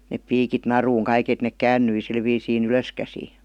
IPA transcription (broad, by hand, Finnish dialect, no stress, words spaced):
nep piːkit nɑruːŋ kɑik et nek kæːnːyi sil ʋiːsiːn yløskæsiː